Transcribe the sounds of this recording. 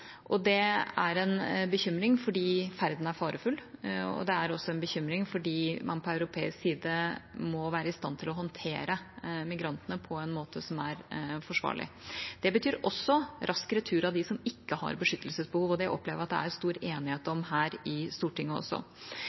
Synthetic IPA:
ʔɔd̪ɛæɾɛnbəçʏmɾɪŋfɔɖiːfæɾd̪n̩æɾfɑːɾəfʉlːɔ̰d̪ɛæɾɔsːɔɛnbəçʏmɾɪŋfɔɖiːmɑ̰npʰɔœʉɾʊpʰeːɪsksiːd̪əmɔʋæːɾəɪst̪ɑnt̪ʰɪlɔɦɔnt̪ʰeːɾəmɪɡɾɑnt̪ənəpʰɔɛnmoːt̪ʰəsɔmæɾfɔʂʋɑ̰ːɭɪ̰d̪̥ɛbət̪ʰyːɾɔsːɔɾʔɑskəɾɛt̪ʰʉːɾɑʋd̪ɪsɔmɪkːəhɑ̰ɾbəʂʏt̪ːəlsəsbəhuːʋɔd̪ɛʔɔpːleːʋəɾɑt̪̚d̪ɛ̰æ̰ɾst̪uːɾeːnɪheːt̪ɔmɦæːɾɪst̪uːʈɪŋːəɔ̰sɔ̰

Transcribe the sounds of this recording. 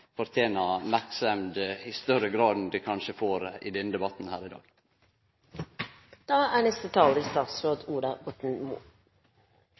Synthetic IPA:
fɔɾt̪ʰjeːnɑmæɾksəmd̪ɪst̪œɾəɡɾɑːd̪n̩d̪ikʰɑnʃəfoːɾḭd̪ɛnːəd̪ɛbɑt̪n̩hæːɾɪd̪ɑ̰ːɡ̥ | d̪̥ɑːæːɳɛst̪ət̪ʰɑːlist̪ɑːt̪sɾoːd̪uːd̪ɑɡɔt̪n̩mṵː

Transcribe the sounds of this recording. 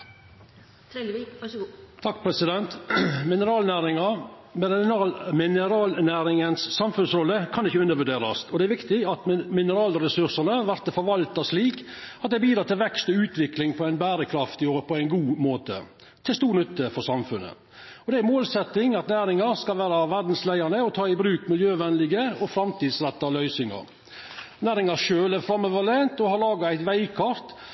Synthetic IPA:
t̪ʰɑkːpʰɾɛsɪd̪ɛnt̪mɪnəɾɑːlnæːɾɪŋɑ | mː | mɪnəɾɑːlnæːɾɪŋənsːɑmfʉnsɾɔlːəkʰɑnd̪ɪçːəʉnːəɾʋʉɖeːɾɑsɔd̪ɛæɾʋɪkt̪ɪɑt̪mɪnəɾɑːlɾɛsʉɾʂənəʋæɾt̪əfɔɾʋɑlt̪ɑʂliːkɑt̪̚d̪ɛæbiːd̪ɾɑːt̪ʰɪlʋɛkst̪ɔʉːt̪ʰʋɪklɪŋpʰɔæɪnbæːɾəkʰɾɑft̪ɪjoɾəpʰɔæɪnɡuːmoːt̪ə̰ | t̪ʰɪlst̪uːɾnʏt̪ːəfɔɾsɑmfʉnːə̰ | ɔd̪ɛæmoːlsɛt̪ːɪŋɑt̪næːɾɪŋɑɾskɑlʋæːɾɑʋæɾd̪n̩slæɪɑnəɔt̪ʰɑːɪbɾʉːkmɪljøːʋɛnlɪɡəɔfɾɑmt̪iːd̪sɾɛt̪ːɑlœʏsɪŋɑ̰ɾ | næːɾɪŋɑʂøːlæɾfɾɑmːəʋəlɛnt̪ɔhɑɾlɑːɡɑæɪt̪ʋæɪkʰɑɾt̪

